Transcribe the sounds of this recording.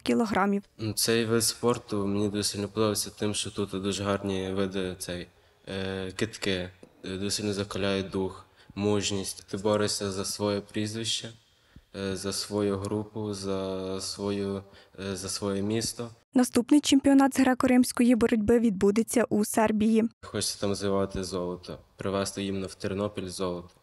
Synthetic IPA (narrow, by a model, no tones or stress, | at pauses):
kʲilˠɔɦɾɑmʲiwnusɛjʋɪspɔrt̪ʊmenʲid̪ɔsʲilʲnɔpɔd̪ɔʋɪsʲɐt̪ɪmʃt͡ʃɔt̪ut̪d̪uʒɦɑrnʲiʋɪd̪ɛt̪sɛj | kɪt̪kɪd̪ɔsʲilʲnɔzɐkɐlʲɑjɛd̪uxmuʒnʲisʲtʲt̪ɪbɔɾesʲɐzɐsʋɔjɛpɾʲizʋɪʃt͡ʃɐ | zɐsʋɔjuɦɾupʊzɐsʋɔju | zɐsʋɔjɛmʲist̪ɔ | nɐst̪upnɪjt͡ʃemʲpʲiɔnɑd̪zɦɾɑkɔɾɪmsʲkɔjibɔɾɔdʲbɪʋʲid̪̚bud̪et͡sʲːɐʔusɛrbʲijixɔt͡ʃsʲɐ̥t̪ɑmzɪʋɑt̪ɪzɔlˠɔt̪ɔpɾɪʋɛst̪ɔjimnɐwt̪eɾenɔpʲilʲzɔlˠɔt̪ɔ̥